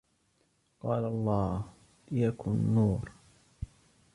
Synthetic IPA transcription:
qɑːlaɑlˤːɑːh | lɪjakʰʊnːuːɾ

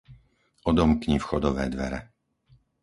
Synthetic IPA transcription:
ʔɔd̪ɔmkɲifxɔd̪ɔʋɛ̰ːd̪ʋɛ̰ɾɛ

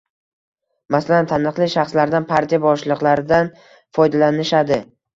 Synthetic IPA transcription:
masalant̪ʰanɨqlˠɪʃaχslaɾd̪anpʰaɾt̪ʰijabɒʃlˠɨqlˠaɾɪd̪an | fɒjd̪alanɪʃad̪ɪ

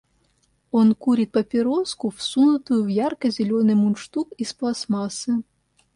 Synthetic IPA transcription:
ɔnkuɾʲit̪̚pɐpʲɪɾɔskʊwsunʊt̪ʊjʊwjɑrkɐzʲelʲonɨmunʃt̪ukisplˠɐsmɑsɨ

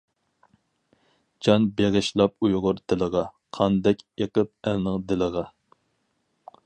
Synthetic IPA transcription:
d͡ʒɑnbeʁɪʃlˠɑp̚ujʁʊɾd̪ɪləʁɑqʰɑnd̪ɛkʲeqəp̚ɛlnɨŋd̪ɪləʁɑ

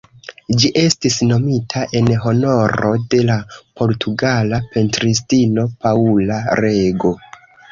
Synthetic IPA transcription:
d͡ʒiʔe̞stisno̞mitʰaʔe̞nɦo̞no̞ɾo̞de̞lapo̞ɾtʰuɡalape̞ntɾis̬tino̞paulaɾe̞ɡo̞

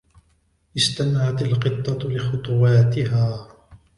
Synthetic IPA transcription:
ʔɪst̪amʕat̪alqɨt̪ˤːɑlɪxʊt̪ˤʊwɑːt̪ɪɦaː

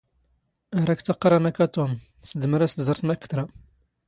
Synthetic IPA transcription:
æɾˤækt͡s̪ːɑqːɾˤɑmækæt̪um | səd̪məɾæst̪zəɾsmækːə̥t̪ɾa

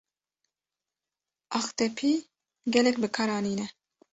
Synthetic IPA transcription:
ɑxt̪ɛpʰiː | ɡɛlɛkbɨkʰɑːɾɑːniːnɛ

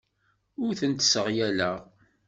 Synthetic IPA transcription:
ʊɾθənt̪səʁjæləʁ

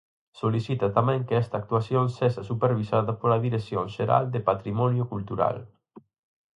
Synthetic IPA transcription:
solisit̪at̪amɛ̃ŋkeɛst̪ak̚t̪uasjonseʃasupeɾβisaðɐpolaðiɾesjoŋʃeɾa̰ld̪epat̪ɾimɔnjʊkult̪uɾa̰l

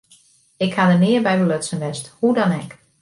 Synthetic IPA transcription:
ɪkhadənɪərbɛjbəløtsənʋɛsthudɔnɛk

